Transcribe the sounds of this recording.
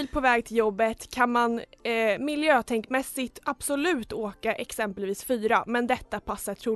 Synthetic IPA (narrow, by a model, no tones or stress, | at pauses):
lpʰɔvɛːɡ̚t̪ʰɪljɔbːət̪kʰanmanmɪljøːt̪ʰɛŋkmɛsːɪt̪ab̥sʊlʉ̟ːt̪oːkaʔɛksɛmpəlviːsfyːɾamɛnd̪ɛt̪ːapʰasːat̪ʰɾuː